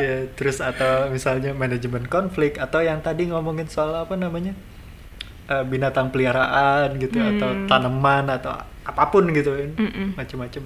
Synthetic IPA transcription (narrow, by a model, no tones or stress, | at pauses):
jat̪əɾʊsat̪awmisalɲamanad͡ʒmɛnt̪̚kɔnflɪk̚t̪at̪awjaŋt̪adiŋomoŋɪnsualaːpanamaɲa | ʔəːbinat̪aŋpəliaɾaʔanɡit̪uat̪awt̪anəmanat̪a̰w | apapʊnɡit̪unmat͡ʃəmːat͡ʃəm